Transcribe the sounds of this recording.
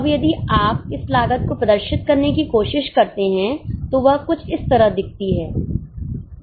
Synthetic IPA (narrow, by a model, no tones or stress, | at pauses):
ɐbjɐd̪iaːp̚ɪslaːɡət̪̚kopɾɐd̪əɾʃɪt̪̚kɐɾnekikoːʃɪʃkɐɾt̪eɦɛ̃t̪oʋɐɦkʊt͡ʃʰɪst̪ɐɾəɦd̪ɪk̚ʰt̪iɦɛː